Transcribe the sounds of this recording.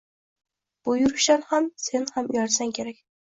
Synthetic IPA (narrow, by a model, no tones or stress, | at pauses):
b̥ʊjʊɾʊʃanhamse̞nhamjɒɾsaŋkʲʰe̞ɾakʲ